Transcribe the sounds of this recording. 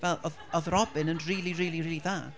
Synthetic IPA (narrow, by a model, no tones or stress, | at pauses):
vɛlˠɔðɔðrɔbɪnənriːlˠiriːlˠiriːlˠiðaː